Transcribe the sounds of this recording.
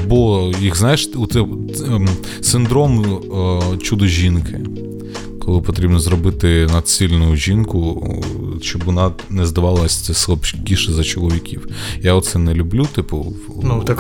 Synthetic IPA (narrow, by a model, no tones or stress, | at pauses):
bɔjiɣznajɪʃɔt̪sɛ | sɪnd̪ɾɔm | t͡ʃud̪ɔʒʲinkʰɪ | kɔlˠɪpɔt̪ɾʲibnɔzɾɔbɪt̪ɪnɐd̪sʲilʲnʊjʊʒʲinkʊ | ʃt͡ʃɔbʋɔnɑ | nɛzd̪ɐʋɑlˠɐsʲɛsˠɔpt͡ʃkʲiʃɪzɐt͡ʃɔlˠɔʋʲikʲiwjaɔt̪sɛnɛlʲʊblʲut̪ɪpʊ | nut̪k